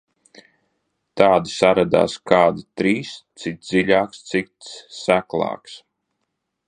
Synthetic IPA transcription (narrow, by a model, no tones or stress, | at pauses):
t̪aːd̪isaɾad̪a̰ːskaːd̪at̪ɾiːst̪sit̪d̪ziʎʲaːkst̪sit̪sːæklˠɑ̰ːks